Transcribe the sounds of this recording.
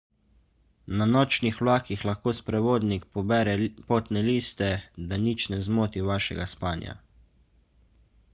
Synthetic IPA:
nanɔːt͡ʃnixwlaːkixlaxkoːspɾɛʋoːd̪nikpɔbɛɾɛpoːt̪nɛliːst̪ɛd̪anit͡ʃnɛzmoːt̪iʋaːʃɛ̰ɡaspaːnja̰

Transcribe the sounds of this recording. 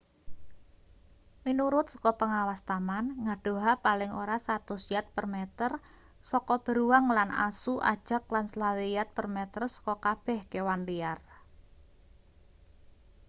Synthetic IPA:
minuɾʊt̪̚sɔ̥kɔpəŋawast̪amanŋaɖ̥o̤ɦapalɪŋoɾasat̪ʊsjat̪̚pərmɛt̪ər | sɔkɔb̥ə̤ɾuwaŋlanʔa̰suʔa̰d̥ʒ̥a̤k̚lansəlawejat̪̚pərmɛt̪ərsɔ̥kɔkab̥ɛhkewanliar

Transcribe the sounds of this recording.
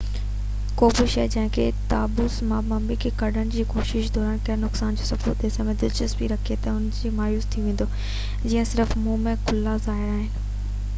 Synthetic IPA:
koːbɪʃɐːd͡ʑɐ̃ɦɪ̃kʰet̪aːbʊsmãːmãmbikʰeːkɐɗʱənɪ̆d͡ʑiːkoːʃɪʃd̪ʱɔːɾaəːnkɐnʊksaːnd͡ʑoːsɐfod̪eːsɐmẽd̪ɪd͡ʑəsbiɾɐkʰiet̪ɐʊnd͡ʑiːmaːjuːzt̪ʰiʋẽːn̆d̪o | d͡ʑiːə̃sɪɾəfmũmẽkʰʊlaːzaːɪaːɦɪnɪ̆

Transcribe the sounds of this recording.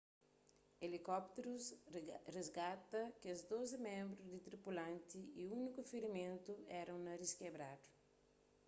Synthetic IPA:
elikɔp̚t̪eɾusrezɡat̪ɐkɪɐzd̪ozɪmẽmbɾʊd̪ɪt̪ɾipulɐ̃nt̪iiũnikufeɾimẽnt̪uɛɾɐ̃w̃nɐɾiskebɾad̪u̥

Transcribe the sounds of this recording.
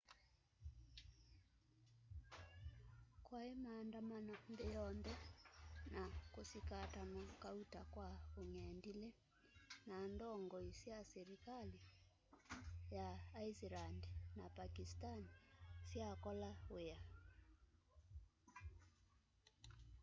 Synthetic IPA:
kwaemaːndamanandɛjɔndɛ | nakosikatamakautakwaoŋɛndilɛ | nandɔŋɡɔisiasɛɾikali | jaːisilandinapakistanisiakɔlawea

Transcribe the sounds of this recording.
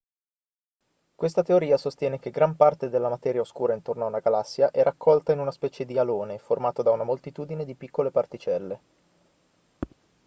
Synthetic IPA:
kwest̪at̪eoɾiːasost̪jɛːnek̟eɡɾampart̪ed̪elːamat̪ɛːɾjaoskuːɾaint̪ornoaunaɡalasːjaʔɛɾakʰːɔlt̪ainunaspɛːt͡ʃed̪ialoːneformaːt̪od̪aunamolt̪it̪uːd̪ined̪ipikːolepart̪it͡ʃɛlːe

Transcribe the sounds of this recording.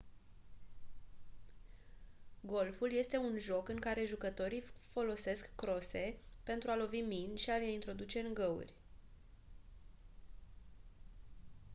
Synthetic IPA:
ɡo̞lfulje̞st̪e̞unʒo̞kɨŋkaɾe̞ʒukət̪o̞ɾifo̞lo̞se̞skːɾo̞se̞pe̞nt̪ɾualo̞viminʃialejint̪ɾo̞d̪ut͡ʃe̞ɨŋɡəṵrʲ

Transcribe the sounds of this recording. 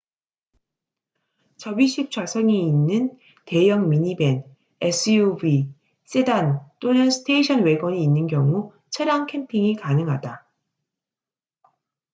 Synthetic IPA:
t͡ɕʌbiɕʰip̚t͡ɕ͈ʰwasʰʌŋiinːɯn | te̞jʌŋmiɲibe̞n | esʰɯjubi | s͈edant͈onɯnsʰɯ̥tʰeiɕʰʌnwe̞ɡwʌɲiːnːɯnkjʌŋu | t͡ɕʰʌɾjaŋkʰe̞mpʰiŋikanɯŋɦada

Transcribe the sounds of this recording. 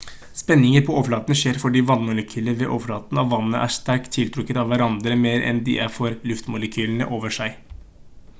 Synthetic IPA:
spɛnːɪŋəɾpʰɔɔflɑːt̪ənəʂeːɾfɔɖiːʋɑnːmʊləkʰyːləʋɛʔɔʋlɑːt̪nɑʋːɑnːəʔæ̰ʂt̪æɾkt̪ʰːɪlt̪ʰɾʉkːət̪ɑʋʋæɾɑnd̪ɾəmeːɾʔɛ̰nd̪ɪ̰ʔæɾfɔɾlʉft̪mʊləkʰyːlənə̰ʔoːʋəʂæɪ

